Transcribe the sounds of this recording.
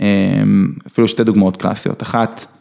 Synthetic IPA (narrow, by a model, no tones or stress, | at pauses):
emafiluʃted̪uɡmaot̪kla̰sijo̰t̪aχat̪